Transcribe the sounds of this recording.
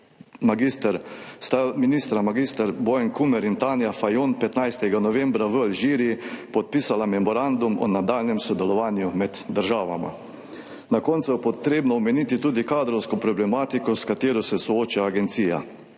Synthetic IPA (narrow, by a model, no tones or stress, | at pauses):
maɡist̪əɾst̪aminiːst̪ɾamaɡist̪əɾbɔjɛŋkumɛɾint̪anjafajonpɛt̪najst̪ɛɡanɔʋɛmbɾaʋəalʒiːɾiipɔt̪̚piːsalamɛmɔɾand̪umɔ̰nad̪aːlnɛmsɔd̪ɛlɔʋaːnjumɛd̪ːəɾʒaːʋa̰ma̰ | nakɔnt̪sujɛpɔt̪ɾeːbnɔɔmɛnit̪it̪uːd̪ikaːd̪ɾɔwskɔpɾɔblɛmaːt̪ikɔskat̪eːɾɔsɛsɔoːt͡ʃaːɡɛnt̪siːja̰